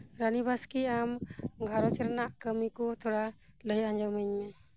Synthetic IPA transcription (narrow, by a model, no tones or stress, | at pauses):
ɾanibaskiamɡʱaɾɔt͡ʃɛɾanaʔkəmikut̪ʰɔɽaləjaɲd͡ʒawmɯɲmɛ